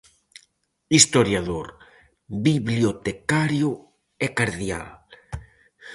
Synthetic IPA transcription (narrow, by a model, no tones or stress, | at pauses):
ist̪oɾjaðoɾ | biβljot̪ekaɾjʊ | ɛkaɾðja̰l